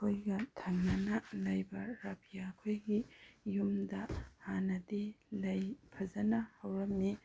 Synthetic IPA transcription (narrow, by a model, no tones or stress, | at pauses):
kʰojɡɐtʰɐŋnɐnɐlɐjbɐɾabʰijakʰojɡijumdɐhanɐdilɐjpʰɐzɐnɐhɐwɾɐmːi